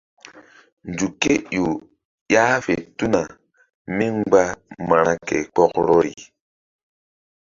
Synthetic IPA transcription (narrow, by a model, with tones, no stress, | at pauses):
n˨d͡ʒu˨ke˦jo˨ | ja˦ve˨tu˦na˨ | mi˦ŋ͡mɡ͡ba˦ma˨ɾa˦kḛ˨k͡pɔ˦kɾɔ˦ɾḭ˨